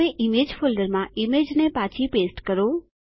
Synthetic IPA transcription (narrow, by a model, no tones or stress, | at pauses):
eʔimed͡ʒfʰolɖəɾmãʔimed͡ʒnepãt͡ʃʰipesʈkəɾo